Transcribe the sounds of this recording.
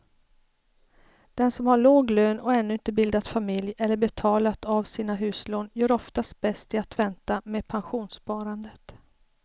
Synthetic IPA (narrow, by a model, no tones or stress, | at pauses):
d̪̥ɛnsɔmhaɭoːɡløːnɔɛnːɵɪnt̪əbɪld̪at̪famɪljɛlːəɾbɛt̪ʰɑːlat̪avsiːnaɦʉ̟ːsloːnjœːɾɔft̪ast̪̚bɛst̪ɪat̪vɛnt̪ameːpʰanɧuːnspɑːɾand̪ət̪